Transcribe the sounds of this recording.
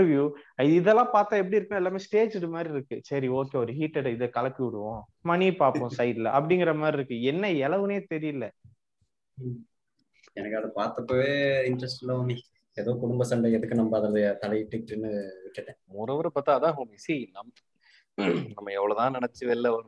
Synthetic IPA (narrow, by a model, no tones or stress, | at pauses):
ɾʋjuɪðɯɪðɛlːãːpaːɾt̪ãːɛp̬ːɐɽiɪɾɯkːnãɪlːaːmeːsʈeːd͡ʒɪʈːɯmaːd̪ɾiɪɾɯkːɯsɐɾioːkeːɔɾɯɦiːʈːɛɽɪðɐkɐlɐkːiʋɪɽɯʋõː | mɐnipaːɾpõːsɐɪɖlɐʔɐp̬ːɐɽɪŋɡɪɾɐmaːd̪ɾiɪɾɯkːɯɛnːɐɛlɐʋɯneːt̪ɛɾɪjɪlːɐ | ɛnɐkːɐðɐpaːɾt̪ɐpːoːʋeɪnɖɾɐsʈɪlːɐomi | ɛðokʊɽʊmbɐsɐɳɖɐɛðɯkːɯnɐmɐbɐɐðɐɾɐðɐɐt̪ɐlɐjɪʈːɯkːʈːɯnːɯʋɪʈːɯʈːẽːmʊɾɐʋɐɾɐpːaːt̪ːãːɐðãːɦoːmisinɐmː | nɐmːɐɛʋːɐɭoːt̪ãːnɪɳɐt͡ʃːɯʋɛlːɐʋɐɾɯ̃